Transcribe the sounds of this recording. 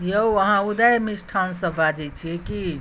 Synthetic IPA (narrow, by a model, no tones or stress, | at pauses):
jeuəɦãud̪ajmisʈʰansə̃bad͡ʒɛt͡ʃʰiɛki